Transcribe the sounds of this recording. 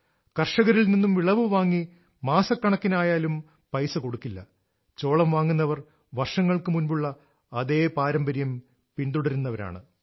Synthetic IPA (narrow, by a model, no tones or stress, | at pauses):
kɐrʂɐɣɐɾilninːumʋiɭɐʋɨʋaːŋːi | maːsɐkːɐɳɐkːinaːjaːlum | pɐjsɐko̞ɽukːilːɐ | t͡ɕo̞ːɭɐmʋaːŋːunːɐʋɐr | ʋɐrʂɐŋːɐɭkɨmunbuɭːɐː | ðe̞ːpaːɾɐmbɐɾjɐm | pinɖ̪d̪uɽɐɾunːɐʋɐɾa̰ːɳɨ